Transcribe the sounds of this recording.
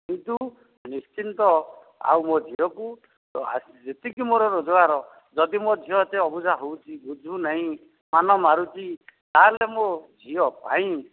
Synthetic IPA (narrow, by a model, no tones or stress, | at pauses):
kint̪u | nist͡ʃint̪ɔ | a̰wmod͡ʒʱiɔku | t̪ɔa̰ | d͡ʒet̪ikimoɾɔɾod͡ʒɔaɾɔ | d͡ʒɔd̪imod͡ʒʱijɔt̪eɔbud͡ʒʱaɦowt͡ʃʰibud͡ʒʱunaɦĩ | manɔmaɾut͡ʃit̪alemod͡ʒʱiɔpaĩ